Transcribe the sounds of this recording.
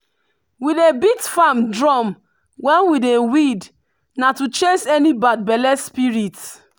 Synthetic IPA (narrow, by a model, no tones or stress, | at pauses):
widebitfamdɹɔm | wɛ̃nwidewid | natut͡ʃesɛnibad̚bɛlɛspiɹit